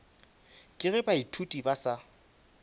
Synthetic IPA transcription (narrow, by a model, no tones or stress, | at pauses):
kʼɪɣɛbaitʰutʼibasa